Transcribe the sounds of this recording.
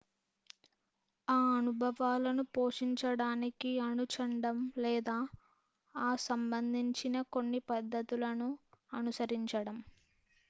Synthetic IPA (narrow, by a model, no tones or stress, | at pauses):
aːɐnubʱɐʋaːlɐnupoːʂiɲt͡ʃɐɽaːnikiɐnut͡ʃɐɳɖɐmlɛːd̪aː | aːsɐmbɐnd̪ʱiɲt͡ʃinɐko̞nːipɐd̪ːɐt̪ulɐnuɐnusɐɾiɲt͡ʃɐɽɐm